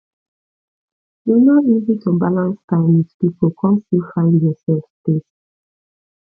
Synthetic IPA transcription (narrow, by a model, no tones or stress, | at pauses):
junɔizĩtʰɔ̃mbalãnstãɪ̃mitpipokʰɔ̃nstilfãɪ̃ndjɔsɛlfspes